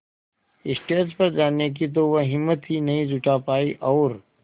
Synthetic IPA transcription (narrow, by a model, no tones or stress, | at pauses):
ɪsʈeːʈzpɐɾd͡ʒaːnek̬it̪̬oʋɐɦɪmːət̪ɦinɐɦĩd͡ʒʱʊʈapaːiʔɔːɾ